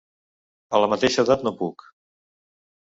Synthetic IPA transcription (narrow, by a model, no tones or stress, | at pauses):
ələmət̪eʃəːðat̪nopuk